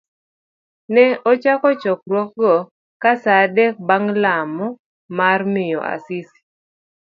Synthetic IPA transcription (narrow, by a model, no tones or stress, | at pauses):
nɛʔɔt͡ʃakɔt͡ʃɔk̚rwɔk̚ɡɔ | kasadɛk̚baŋlamɔ | marmɪjɔ̰ʔa̰sisi̥